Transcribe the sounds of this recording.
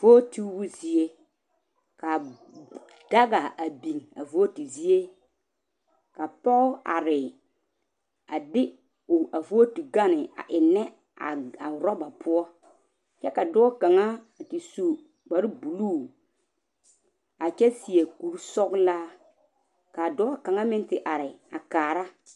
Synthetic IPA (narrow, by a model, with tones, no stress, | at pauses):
vo˦ti˦bʊ˦zi˨e˦ | ka˨ | d̥a˦ɡa˨a˨bi˨ŋa̰˨vo˦o˦ti˨zi˦e˦ | ka˨pɔ˦ɣa̰˨ɾɪ˨ | a˨dɪ˦ | ʊ˨a˨vo˦o˦tu˨ɡa˦nɪ˨a̰˨ʔɪ˨nɛ˦ | a˨a˨ɾɔ˦ba˨pʰʊ˦ɔ˦ | t͡ʃɛ˦ka˨dɔ˦ɔ˦ka˨ŋa˦a˨ti˨su˨ | ɡ͡ba˨ɾɪ˦bu˨luː˦˨ | a˨t͡ʃɛ˦si˨e˨ku˨ɾsɔ˦ɡlaː˦ | ka˨dɔ˦ɔ˦ka˨ŋa˦mɪ˦ntɪ˨ʔa˨ɾɪ˨a˨kaː˨ɾa˦